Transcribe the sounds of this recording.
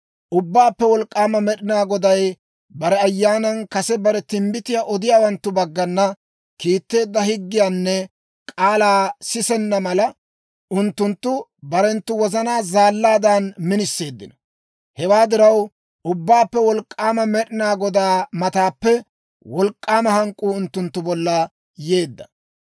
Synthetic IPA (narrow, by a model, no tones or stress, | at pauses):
ʔʊbːaːpːɛwɔlkʼːaːmɐmɛɗɪnaːɡɔd̪ɐj | bɐɾɛɐjːaːnɐnkɐsɛbɐɾɛt̪ɪmbɪt̪ɪjaːʔɔd̪ɪjaːwɐnt̪ːʊbɐɡːɐnːɐ | kiːt̪ːe̞ːd̪ːɐhɪɡːɪjaːnːɛ | kʼaːlaːsɪsɛnːɐmɐlɐ | ʔʊnt̪ːʊnt̪ːʊbɐɾɛnt̪ːʊwɔzɐnaːzaːlːaːd̪aːnmɪnɪsːe̞ːd̪ːɪnɐ | hɛwaːd̪ɪɾɐw | ʔʊbːaːpːɛwɔlkʼːaːmɐmɛɗɪnaːɡɔd̪aːmɐt̪aːpːɛ | wɔlkʼːaːmɐhɐŋkʼːuːʊnt̪ːʊnt̪ːʊbɔlːɐ | je̞ːd̪ːɐ̥